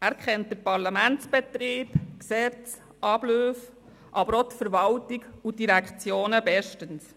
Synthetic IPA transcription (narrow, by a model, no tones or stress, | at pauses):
æɾkχɛnt̚d̥əɾpɑɾlɑmænt͡sb̥ɛt̪ɾiːbksɛt͡s | ʔɑb̥løːf | ʔɑbəɾɔtfəɾʋɑltiɡudiɾækχt͡sjoːnəbɛʃtəns